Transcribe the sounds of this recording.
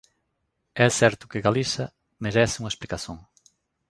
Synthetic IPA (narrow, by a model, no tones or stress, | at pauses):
ɛsɛɾt̪ʊ̥kɪɣalisɐ | meɾɛsɪuŋɐesplikasõŋ